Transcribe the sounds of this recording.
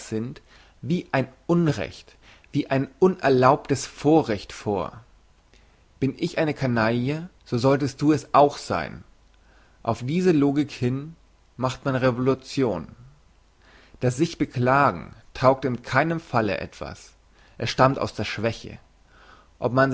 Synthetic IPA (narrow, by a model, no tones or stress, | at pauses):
z̥ɪnt | viːʔaɪnʔʊnʁɛ̰çt | v̥iːʔaɪnʔʊnʔɛɐlaʊp̚təsfoːɐʁɛçtfoːɐ | b̥ɪnʔɪçʔaɪnəkʰanajəz̥oːzɔltəst̚d̥uːɛsaʊxz̥a̰ɪn | ʔaʊfd̥iːzəloːɡɪkhɪn | maχtmanʁevolut͡sjoːn | d̥as̬z̥ɪçb̥əkl̥aːɡŋ̩tʰaʊk̚tɪnkʰaɪnəmfalə̰ʔɛ̰tv̥a̰s | ʔɛsʃtamta̰ʊsd̥eːɐʃv̥ɛçə̰ | ʔɔp̚man